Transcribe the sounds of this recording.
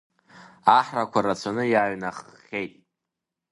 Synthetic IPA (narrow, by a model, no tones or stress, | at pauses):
aħrakʷarat͡sʷʰanɨjaɥnaχːʲejtʼ